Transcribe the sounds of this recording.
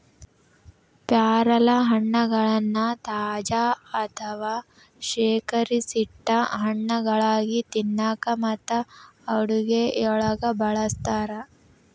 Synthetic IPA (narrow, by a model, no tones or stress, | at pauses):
pjaːɾɐlɐɦɐɳːɐɡɐɭɐnːɐt̪aːd͡ʒaːɐt̪ʰɐʋaː | ʃeːkɐɾisiʈːɐɦɐɳːɐɡɐɭaːɡit̪inːaːkɐmɐt̪ːɐːɽuɡeɔɭɐɡɐbɐɭɐst̪aːɾɐ